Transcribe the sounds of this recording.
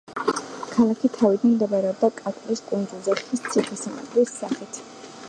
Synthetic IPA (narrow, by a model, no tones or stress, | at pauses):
kʰalˠakʰit̪ʰavid̪anmd̪ɛbaɾɛɔb̚d̪akʼat̪ʼɾiskʼund̪zulˠzɛχist̪sʰiχʼisama̰t̪ʼɾisːaχit̪ʰ